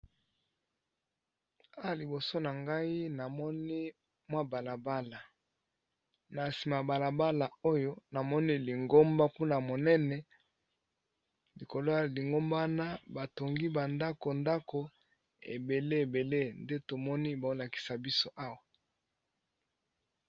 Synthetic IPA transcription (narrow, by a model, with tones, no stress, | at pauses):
a˦a˨li˨bo˨so˦na˨ŋɡa˦i˦na˨mɔ˦ni˦ | mwa˦ba˨la˨ba˦la˨ | na˨si˨ma˨ba˨la˨ba˦la˨o˦jo˦na˨mɔ˦ni˦li˨ŋɡo˦mba˦ku˦na˨mo˨nɛ˦nɛ˨ | li˨ko˨lo˦a˦˨li˨ŋɡo˦mba˦na˦ba˨to˨ŋɡi˦ba˨nda˦ko˨nda˦ko˨ | ḛ˨be˨le˦e˨be˨le˦nde˦to˨mɔ˦ni˦ba˨o˦la˨ki̥˨sa˨bi˦so˦ʔa˦wa˨